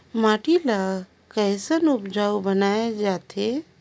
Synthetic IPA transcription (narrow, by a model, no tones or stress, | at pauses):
maʈila | kəɪsənupd͡ʒaubənaed͡ʒat̪ʰe